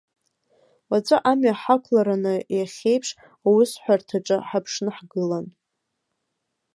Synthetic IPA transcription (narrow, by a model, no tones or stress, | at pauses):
wat͡sʷʼaʔamjaħakʷʰlaɾanɨjaχʲe̞jpʰʂ | awʊsħʷartʰaʈ͡ʂʼɨħapʰʂnɨħɡɨlan